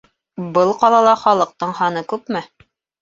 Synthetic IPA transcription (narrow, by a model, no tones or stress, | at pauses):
bɤlˠqɑlˠɑlˠɑχɑlˠɤ̆q̚t̪ɤɴhɑnɤkʉpmɘ